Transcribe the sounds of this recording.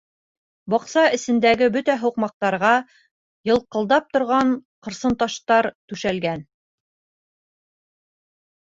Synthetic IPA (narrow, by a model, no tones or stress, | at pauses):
bɒqsɑɘ̆sɘ̆nd̪æɡɘbɵt̪æɦŏqmɑq̚t̪ɑɾʁɑ | jɤ̆lˠqɤ̆lˠd̪ɑp̚t̪ŏɾʁɑɴqɤ̆ɾsɤ̆nt̪ɑʃt̪ɑɾt̪ʉʃælɡæn